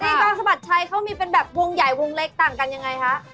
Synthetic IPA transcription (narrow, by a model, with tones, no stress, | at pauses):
niː˥˩kɔː˧ŋsa˧ma˨˩t̪̚t͡ɕʰa˧jkʰa˦˥wmiː˧pe˧nbɛː˨˩p̚wo˧ŋja˨˩jwo˧ŋle˦˥k̚t̪aː˨˩ŋka˧nja˧ŋːa˧jkʰa˦˥ʔ